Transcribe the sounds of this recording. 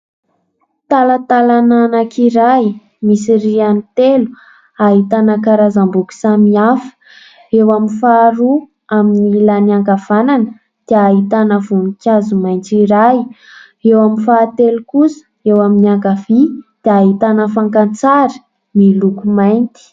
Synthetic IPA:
t̪alat̪alananakʰiɾaj | misirianit̪elu̥ | aɦit̪anəkaɾazambuki̥samiafə̥ | ewaminfaːɾu | aminilaniaŋɡav̥ananə | d̪̥eaɦit̪anəvunikʲazumajnt͡siɾaj | ewaminfaːt̪elukusə̥ewaminiaŋɡavid̪̥eaɦit̪anəfaŋkant͡saɾi̥ | milukumajnt̪i̥

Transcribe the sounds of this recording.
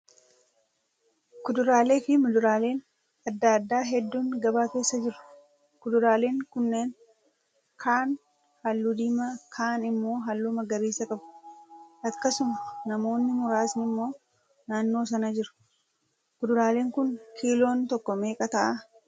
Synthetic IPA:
kʊd̪ʊɾaːle̞ːfɪmʊd̪ʊɾaːle̞ːn | ɐd̪ːaːd̪ːaːɦɛd̪ːuːŋɡɐbaːke̞ːsːɐd͡ʒɪɾʊ̥ | kʊd̪ʊɾaːle̞ːŋkʊnːeːn | kʰaːn | hɐlːud̪iːmɐkʰaːnɪmːo̞ːɦɐlːuːmɐɡɐɾiːsɐkʼɐbʊ̥ʔɐkːɐsʊmɐnɐmo̞ːnːɪmʊɾaːsnɪmːo̞ː | naːnːo̞ːs̬ɐnɐd͡ʒɪɾʊ̥ | kʊd̪ʊɾaːle̞ːŋkʊnkʰiːlo̞ːnt̪ɔkːɔme̞ːkʼɐt̪ɐʔɐ

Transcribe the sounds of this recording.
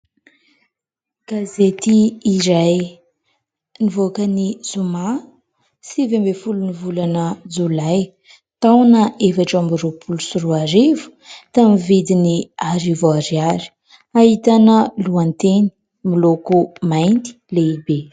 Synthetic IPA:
ɡ̥azet̪iːɾaj | nivokənizuma | sivembefulunivulanəd͡zulaj | t̪awnəefaʈ͡ʂambuɾupʰulusuɾuaɾivu̥t̪amivid̪iniaɾivoaɾiaɾi̥ | ait̪anəluant̪eni̥ | milokumajnt̪i̥leibe

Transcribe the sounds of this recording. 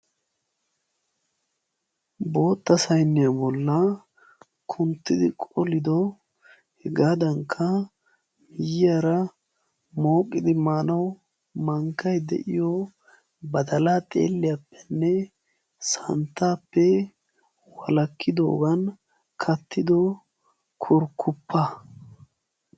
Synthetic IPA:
bo̞ːt̪ːɐsɐjnːɪjabɔlːɐ | kʰʊnt̪ːɪd̪ɪkʼɔlɪd̪ɔ | hɛɡaːd̪ɐŋkʰːɐ | mɪjɪjaɾɐ | mo̞ːkʼːɪd̪ɪmaːnɐw | mɐŋkːɐjd̪ɛ̰ʔɪjɔ | bɐd̪ɐlat̪ʼḛːlːɪjapːɛ̥nːɛ | sɐ̰nt̪ːaːpːɛ | wɐlɐkʰːɪd̪o̰ːɡɐn | kʰɐt̪ːɪd̪ɔ | kʰʊɾkʰːʊpʰːɐ

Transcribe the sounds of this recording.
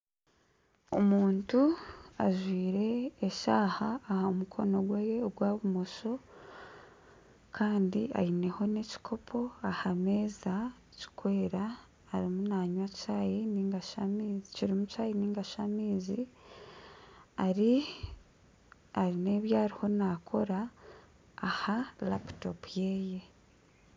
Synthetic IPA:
omuːntuaʒwiːɾe̞ːʃaːhaːhamukʰo̞no̞ɡwejeoɡwaːβumoʃo̞ | kʰaːndia̰jine̞ho̞ne̞ci̥kʰo̞pʰo̞ahame̞ːza | ci̥kwe̞ːɾaː | ɾimunaːɲwacaːjiniːŋɡaʃamiːziciɾimucaːjiniːŋɡaʃamiːzi | aɾi | aɾine̞ːβjaːɾiho̞nakʰo̞ɾaː | halaptopuje̞ːje̞

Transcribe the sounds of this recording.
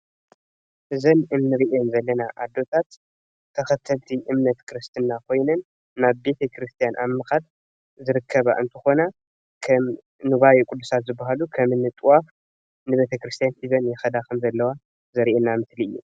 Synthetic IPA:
ʔɨzɐnɨnːɨɾiʔonzɐlːɐnaʔad̪ːo̞t̪ʰat̪ʰː | ɐxɐt̪ʰːɐlt̪ʰiʔɨmnɐt̪kʰɨɾɨst̪ʰɨnːakʰo̞jnɐnː | aβbe̞t̪ʰɐkʰɾɨst̪ʰijanʔammɨxat̪ | zɨɾɨkʰːɐβa̰ʔɨnt̪ʰɨxo̞na | kʰɐm | nɨβajikʼud̪ːusat̪zɨbːaɦalukʰɐmɨnːɨt̪ʼwaf | nɨβe̞t̪ʰɐkɾɨst̪ʰjansizɐnjɛxɐd̪akʰɐmzɐlːɐwa | zɐɾiʔenːamɨsliɨ̰jːṵ

